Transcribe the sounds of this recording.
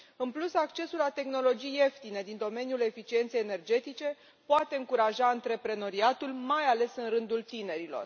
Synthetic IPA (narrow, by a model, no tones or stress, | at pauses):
ɨnplusakt͡ʃe̞sulːat̪e̞xno̞lo̞d͡ʒije̞ft̪ine̞d̪ind̪o̞me̞niule̞fit͡ʃient̪sejene̞rd͡ʒe̞t̪it͡ʃe̞ | poat̪e̞ɨŋkuɾaʒaɨnt̪ɾe̞pɾe̞no̞ɾiat̪ulmajale̞sɨnɾɨnd̪ult̪ine̞ɾilo̞̰r